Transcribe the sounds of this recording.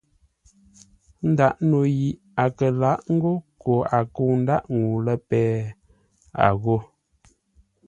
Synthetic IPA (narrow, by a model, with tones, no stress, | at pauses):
n̩˦da˦ʔno˨ji˨ | a˨kə˨la˨˦ʔŋ̩˦ɡo˦ko˨a˨ko˦˨n̩˦da˦˨ʔŋu˨lə˦pɛː˦ | a̰˨ɣo˦˨